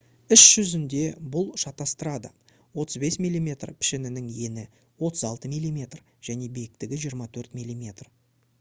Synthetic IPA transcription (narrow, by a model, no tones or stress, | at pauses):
ʏʃʒ̥ʏzɪnd̪e̞bʊlˠʃɑt̪ːɑst̪əɾɑd̪ə | wo̞t̪əzbe̞smilʲːimʲe̞t̪rpʰɪ̥ʃɪnɪnɪŋje̞nɪ | wo̞t̪əzɑlˠt̪əmijlʲːˠimʲe̞t̪r | ʒ̥æne̞bejɪkt̪ɪɡʲɪʒijəɾmɑt̪ʰɵɾt̪mʲilʲːˠimʲe̞t̪r